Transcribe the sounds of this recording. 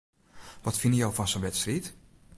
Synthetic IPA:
ʋɔtfɪnəjowfɔnsonʋɛtstrit

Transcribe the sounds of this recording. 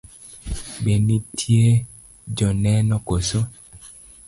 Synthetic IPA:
ɓenitʰie | d͡ʒɔnɛnɔkoso

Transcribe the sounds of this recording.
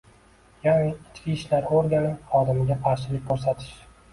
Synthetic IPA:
janɪɪt͡ʃkʲɪːʃlaɾoɾɡʲanɪχɒd̪ɪmɪɡʲaqʰɑɾʃɪlɪkʲkʰɵɾs̬at̪ʰɪ̥ʃ

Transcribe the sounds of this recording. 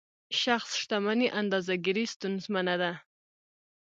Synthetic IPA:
ʃaχsʃt̪amaniʔand̪ɑzaɡiɾist̪unzmanad̪a

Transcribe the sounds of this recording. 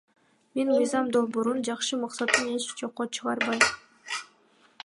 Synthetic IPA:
menmɯjzɑmd̪o̞lˠboɾund͡ʒɑχʃɯmɑqsɑt̪ːɯne̞t͡ʃd͡ʒo̞qːot͡ʃʰɯʁɑɾbɑjm

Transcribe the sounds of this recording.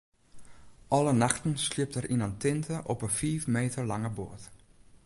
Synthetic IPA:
ʔɔlˠənaxtn̩sliəp̚tərʔinantɪntʰəʔɔpəfiːfmeːtʰəɹlaŋəboət

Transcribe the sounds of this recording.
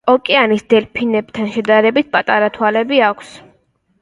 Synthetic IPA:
ɔkʼɛanisd̪ɛlpʰinɛbt̪ʰanʃɛd̪aɾɛbit̪̚ʰpʼat̪ʼaɾat̪ʰwalɛbiakʷʰs

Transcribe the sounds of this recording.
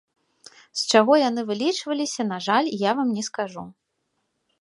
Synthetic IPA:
st͡ʂaɣɔjanɨvɨlʲit͡ʂvɐlʲisʲɐn̪aʐalʲjavamnʲɛskaʐu

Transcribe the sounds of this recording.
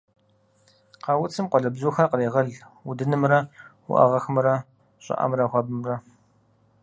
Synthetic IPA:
qɑwʊt͡sʰɨmqʷɔɮɐbzuːxɐrqəreːʁɐɮwudɨnɨmrɐwʊ̰ʔɐ̰ʁɐxɨmrɐ | ɕʼɪ̰ʔɐ̰mrɐxʷɐbɨmrɐ

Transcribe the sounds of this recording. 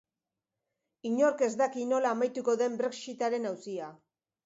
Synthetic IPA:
iɲo̞ɾke̞zd̪akino̞laːmajt̪uko̞ðe̞mbɾe̞ksit̪aɾe̞nawsia

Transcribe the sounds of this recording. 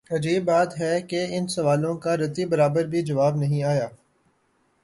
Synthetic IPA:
ɐd͡ʒiːbːaːt̪ɦɛkeɪnsɐʋaːlõkaɾɐt̪ibɐɾaːbəɾbʱid͡ʒɐʋaːbnɐɦĩaːjaː

